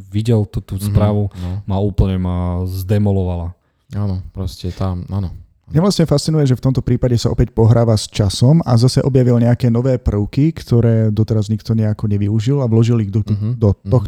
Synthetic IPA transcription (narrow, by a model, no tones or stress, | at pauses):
ʋiɟɛlt̪ɔt̪uːspɾaːʋumauːpl̩ɲɛmazd̪ɛmɔlɔʋala | anɔpɾɔscɛt̪ama̰nɔ | mɲɛʋlasɲɛfast̪t͡sinujɛʒɛft̪ɔmt̪ɔpɾiːpaɟɛsaʔɔ̰pɛcpɔɦɾaːʋast͡ʃasɔma̰zasɛʔɔbjaʋilɲɛakɛːnɔʋɛːpr̩ʊkikt̪ɔɾɛːd̪ɔt̪ɛɾazɲikt̪ɔɲɛakɔɲɛʋiuʒilaʋlɔʒiliɣd̪ɔd̪ɔɔx